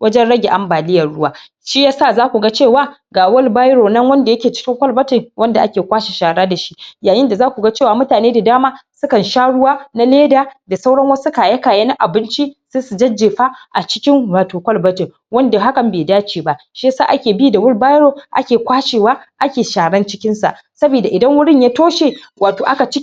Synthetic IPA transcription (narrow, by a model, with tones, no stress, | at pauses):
wɐ˦d͡ʒɛ˦nɽɐ˦ɡʲe˨ʔa˦mbaː˨lɪ˦jɐ˨rɽʊ˦waː˦ | ʃiː˦jaː˦saː˦˨zaː˦kʷu˨ɡa˦t͡ʃeː˦˨waː˦ɡaː˨wʊ˦lbaː˦jɽoː˨nɐ˦ŋwɐ˦nda˨jɐ˦kʲeː˨t͡ʃɪ̥˦kʲɪ˦ŋkʷɐ˦lbɐ˦tɪ˨ŋwʔɐ˦nda˨ʔa˦kʲeː˨kʷaː˦ʃe˨ʃaː˨ɽaː˦da˨ʃi˦jaː˨jɪ˦nda˨zaː˦kʷu˨ɡa˦t͡ʃeː˦˨waː˨mʊ˦taː˨neː˦da˨daː˦maː˦sʊ˦kɐ˨nʃaː˦ɽʊ˦waː˦na˦leː˦daː˨da˨sa˦wɽɐ˦ŋwɐ˦su˦kaː˨jɐ˦kaː˨jɐ˦na˦ʔa˨bɪ˦nt͡ʃi˦seː˦su˨d͡ʒɐ˦d͡ʒːeː˨ɸa˦ʔa˨t͡ʃɪ˦kʲɪ˦ŋwaː˨toː˨kʷɐ˦lbɐ˦tɪ˨ | wɐ˦nda˨ɦa˦kɐ˨mbeː˨daː˦t͡ʃiː˨ba˦ʔʃeː˦sa̰ː˦ʔa˦kʲeː˨biː˦da˨wʊ˦lba˦jɾoː˨ʔa̰˦kʲeː˨kʷaː˦ʃeː˨waː˦ʔa˦kʲeː˨ʃaː˨ɽɐ˦nt͡ʃɪ˦kʲɪ˦nsa̰˨ʔ | sɐ˦biː˨da˨ʔɪ˨dɐ˦ŋwʊ˦ɽɪ˦ɲjaː˦toː˦ʃeː˨ | waː˨toː˨ʔa˦ka˨t͡ʃɪ˦